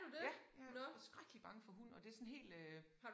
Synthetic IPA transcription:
d̥ud̥enɔsɡ̥ʁaɡ̥əlib̥ɑ̈ŋəfɒ̽ɦunɒ̽d̥e̝æɐsɔ̽nɦe̝̰ːl̥ø | hɑ̥̈

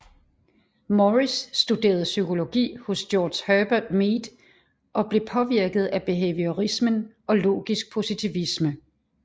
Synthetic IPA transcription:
mɒʁisːd̥ud̥e̝̰ːɐð̞̩ˠsykʰo̝lo̝ɡ̥ḭːho̽sd̥jɒːd̥shœb̥ɐd̥meːd̥ | ʔɒ̽b̥le̝pʰɒ̽ʋiɐɡ̥ð̞̩ˠæb̥e̝ɦḛʋioʁismənʔɒ̽lo̝̰ːɡ̥isɡ̥̚pʰo̝sit͡sʰiʋismə

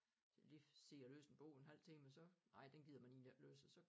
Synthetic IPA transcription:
lise̝ɐlø̰ːsn̩b̥o̝̰ʊenɦæl̰t͡sʰe̝ŋmensɒ̽nɑ̈ɪ̰d̥enɡ̥iðˠɐmæniːnæløːs̩sɒ̽

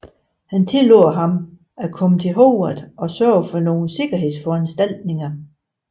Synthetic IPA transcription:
hænt͡sʰe̝lo̰ɦɑ̈m | ækʰɒ̽mət͡sʰe̝lɦoʊɐðˠɒ̽sɶɐ̰ʊfɒ̽no̝ːn̩se̝ɡ̥ɐɦe̝ð̰ˠsfɒ̽ænsd̥æl̰d̥ne̝ŋɐ

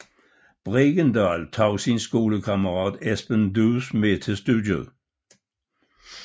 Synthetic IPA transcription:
b̥ʁeɡ̥ənd̥ɑːlt͡sʰɑʊsinsɡ̥o̝ːləkʰɑməʁɑːd̥esb̥əndusmet͡sʰe̝sd̥udjəðˠ

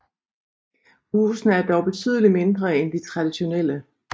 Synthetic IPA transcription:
huːsn̩æɐd̥ɒʊb̥e̝t͡sʰy̰ːð̞̰ˠəlime̝nd̥ʁɐend̥it͡sʰʁɑ̈d̥iɕo̝nel̰ə

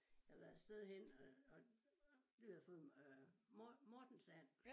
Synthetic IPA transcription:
jɑ̈ʋæðˠed̥sd̥eðˠhen̰ɒ | d̥uæfɔ̽ːð̩ˠ | mɒːd̥n̩sæn

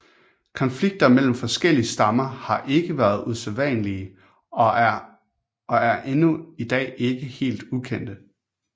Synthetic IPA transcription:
kʰɒ̽nfliɡ̥̚d̥ɐmel̰m̩fɒ̽sɡ̥el̰iəsd̥ɑ̈mɐhɑ̈ʔe̝ɡ̥əʋæːɐð̞̩ˠuselʋɛ̰ːnəliə | ɒ̽æɐʔe̝nuid̥ɛ̰ːe̝ɡ̥əhe̝̰ːld̥ukʰen̰d̥ə

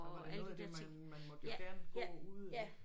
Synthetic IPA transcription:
æɔd̥et͡sʰen̰ | mænmɒ̽d̥joɡ̥æɐnɡ̥uð̰ˠæ

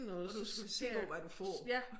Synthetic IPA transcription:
nɔ̽ːð̩ˠd̥ussḛ̥ːɒʋæd̥ufɒ̰æ

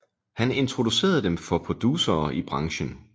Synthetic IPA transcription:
hæne̝nt͡sʰʁo̝d̥use̝̰ːɐð̞̩ˠd̥emfɒ̽pʰʁo̝d̥uːsɐːʔib̥ʁɑ̈ŋɕən

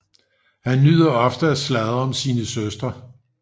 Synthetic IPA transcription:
hænːyð̰ˠɐɒ̽fd̥əæslæðˠɒ̽msiːnəsøsd̥ʁɐ

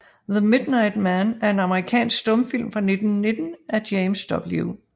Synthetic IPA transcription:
ðəme̝d̥nɑ̈ɪd̥mænæɐe̝nɑ̈məʁikʰɛ̰ːnsɡ̥sd̥ɔ̽məfil̰mfʁɑ̈ne̝d̥n̩ːe̝d̥n̩æɐd̥jeɪmsd̥ɒ̽b̥luʊ

